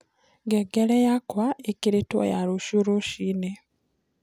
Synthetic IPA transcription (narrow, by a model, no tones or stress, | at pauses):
ɡeɡelejakwaekiɾitwo̰jaluʃuɾuʃiːne